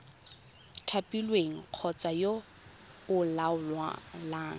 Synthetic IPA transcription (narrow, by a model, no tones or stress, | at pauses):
tʰapʼilweŋ̩q͡χʰɔt͡sajo | ʊlaʊlwa̰laːŋ̩